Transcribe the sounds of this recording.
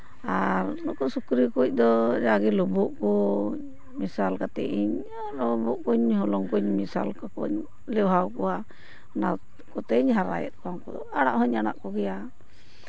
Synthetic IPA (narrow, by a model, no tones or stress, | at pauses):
aɾnɔkɔsukɾikuc̚ˀd̪ɔd͡ʒaɡilɔbɔʔkɔɲ | misalkat̪ɛ̰ʔiɲ | lɔbuʔkuɲɦɔlɔŋkɔɲmisa̰lkakɔ̰ɲ | lɛwɦawkɔwa | na | kɔt̪ɛɲɦaɾa̰jɛ̰t̪̚ˀkaŋkɔd̪ɔaɽaʔɦɔɲːana̰ʔkɔɡɛja